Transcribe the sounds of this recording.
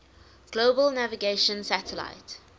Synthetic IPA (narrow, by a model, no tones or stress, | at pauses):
ɡ̥loːbəlnævɪɡeɪʃə̃nsatʰəla̰ɪt